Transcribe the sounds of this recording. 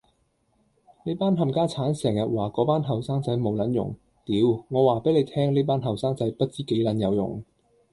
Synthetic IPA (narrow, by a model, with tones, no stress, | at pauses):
ne˨˥paː˥nɦɐ˨˧mkaː˥t͡sʰaː˨˥nsɛː˨˩ŋjɐ˨t̚waː˨˩kɔː˨˧˥paː˥nɦɐ˨˩wsaː˥ŋt͡sɐ˨˥jmo˨˧wlɐ˨˥njʊ̰˨˩ŋ | t̪iː˨˥wŋɔː˨˧waː˨˩pe˨˥jle˨˧jt̪ʰɛː˥ŋliː˥p̬aː˥nɦɐ˨˩wsaː˥ŋt͡sɐ˨˥jpɐ˥t̚t͡siː˥ke˨˥jlɐ˨˧˥njɐ˨˧wjʊ̰˨˩ŋ